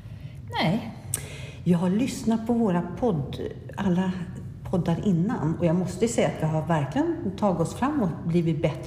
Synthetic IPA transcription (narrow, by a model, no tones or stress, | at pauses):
nɛj | jɑːɡɦaɭʏsnat̪̚pʰɔvoːɾapʰɔd̪ | ʔalːa | pʰɔd̪ːaɾʔɪnːanɔjɑːɡmɔst̪əsɛjːat̪jɑɦaɾvæɾklɪɡənt̪ʰɑːɡɪɔsfɾamːɔt̪bliːvɪt̪̚bɛt̪